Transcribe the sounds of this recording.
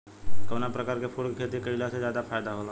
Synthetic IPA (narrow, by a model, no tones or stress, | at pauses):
kəʋnapɾəkaːɾkepʰuɽkkʰet̪ikəilased͡ʒjaːd̪apʰajd̪aɦola